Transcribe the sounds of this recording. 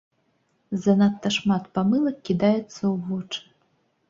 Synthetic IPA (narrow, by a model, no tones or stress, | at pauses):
zɐnat̪ːɐʂmat̪pamɨlˠɐkʲːid̪ajɛt̪sːɐwvɔt͡ʂɨ̥